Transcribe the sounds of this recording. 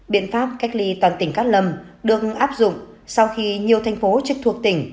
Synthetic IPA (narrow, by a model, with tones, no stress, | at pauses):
ɓḭ˧˨ənfaː˦˥p̚ka˦˥jk̟̚li˧t̪waː˨˩nt̪ï˧˩ŋ̟kaː˦˥t̚lə˧˩mɗɨ˨˩ək̚ʔaː˦˥p̚zʊ̰˧˨ŋ͡msa˧wxi˧ɲi˨˩əwt̪ʰɛ˧˩jŋ̟fo˨˦t͡ɕɨ˦˥k̚t̪ʰu˨˩ək̚t̪ï˧˩ŋ̟